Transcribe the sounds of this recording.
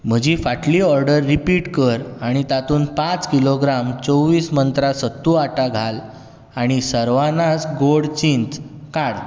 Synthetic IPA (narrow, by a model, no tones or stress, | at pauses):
m̤əd͡ʑifaʈliɔɾɖəɾːipiʈkəɾaɽ̃it̪at̪uːnpãt͡skiloɡɾamt͡sowʋiːsmənt̪ɾasət̪ːuaʈaɡʱal | aɽ̃isəɾʋanasɡoɽt͡ɕint̪kaɽ